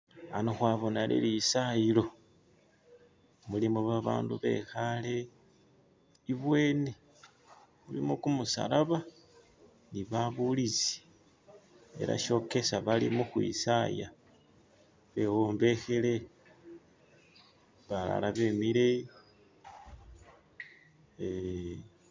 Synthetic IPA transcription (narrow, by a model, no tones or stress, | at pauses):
anoxwaβo̞nalḛlisailo̞ | mulimuβaβa̰ːnduβe̞̰xale̞ | iβwe̞ːne | mulimukumusa̰laβa | niβaβulit͡si̥ | e̞ɾa̰ʃo̞ke̞saβalimuxwḭsaja | βe̞wo̞ːmbe̞xele̞ | βala̰laβe̞miɾei